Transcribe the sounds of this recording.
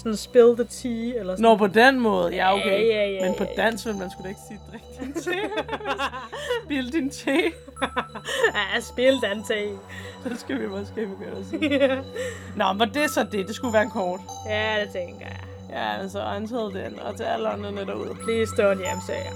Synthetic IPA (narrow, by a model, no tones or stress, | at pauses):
sɔnsb̥e̝ld̥ət͡sʰiːelɐnɒpʰɒ̽d̥enmɔ̽ːð̞̩ˠjɑo̥eæjmenpʰɒ̽d̥æn̰smenmænsɡ̥ud̥ee̝ɡ̥si̥ːd̥ʁaɡ̥d̥int͡sʰeː | b̥eləd̥int͡sʰe | æsb̥eld̥ænsʰesɒ̽sɡ̥æʋimɒsɡ̥eb̥əɡ̥øːsi | nɒʋɒd̥e̝sɒ̽d̥e̝d̥e̝sɡ̥uʋæːɐnkʰɒːd̥jæd̥et͡sʰeŋɡ̥ɐjæ | jæælsɒænt͡sʰɛðˠd̥enɒt͡sʰeæləɒnəned̥ɐbuð̰ˠlisd̥ɔnjæmsɛ̰ɐ